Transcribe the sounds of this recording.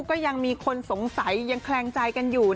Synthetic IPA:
kɔː˥˩ja˧ŋmiː˧kʰo˧nso˨˩˦ŋsa˨˩˦jːa˧ŋkʰlɛː˧ŋt͡ɕa˧jka˧njuː˨˩

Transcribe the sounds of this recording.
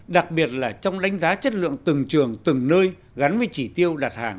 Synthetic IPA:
ɗa˨˩k̚ɓi˨˩ət̚laː˨˩t͡ɕɔ˧wŋ͡mɗa˨˦jŋ̟zaː˨˦t͡ɕə˦˥t̚lɨ̰˧˨əŋt̪ɨ˨˩ŋt͡ɕɨ˨˩əŋt̪ɨ˨˩ŋnəː˧j | ɣa˨˦nvəː˨˦t͡ɕi˧˩t̪i˧əwɗaː˨˩t̚haː˧˩ŋ

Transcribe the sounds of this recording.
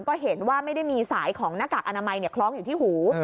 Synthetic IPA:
nkɔː˥˩ɦe˩˦nwaː˥˩ma˥˩jda˥˩jmiː˧saː˩˦jkʰɔː˩˦ŋnaː˦˥kaː˨˩k̚ʔa˧naː˧ma˧jni˥˩ɐkʰlɔː˦˥ŋjuː˨˩t̪ʰiː˥˩huː˩˦

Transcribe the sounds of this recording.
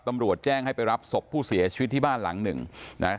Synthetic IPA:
t̪a˧mɾu˨˩ət̪̚t͡ɕɛː˥˩ŋha˥˩jpa˧jɾa˦˥p̚so˨˩pʰːuː˥˩si˨˩˦ɐt͡ɕʰi̥˧i˦t̪ʰːiː˥˩baː˥˩nla̰˩˦ŋnɯ̰˨˩ŋna̰˦˥

